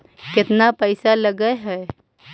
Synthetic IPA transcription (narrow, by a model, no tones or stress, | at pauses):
kɪt̪napəɪsaləɡəɦɛ